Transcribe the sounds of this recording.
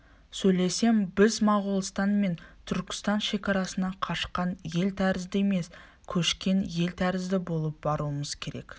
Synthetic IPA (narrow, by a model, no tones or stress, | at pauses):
sɵjle̞se̞mbɪzmɑʁʊlˠst̪ɑnme̞nt̪ʰʏɾkʲɪ̥st̪ɑnʃe̞kʲɑɾɑsənɑqʰɑʃqɑnje̞lt̪ʰæɾɪzd̪ɪeme̞s | kʲʰɵʃkʲe̞nje̞lt̪ʰæɾɪzd̪ɪbo̞lˠəp̚bɑɾuəməz̥kʲʰe̞ɾe̞̰k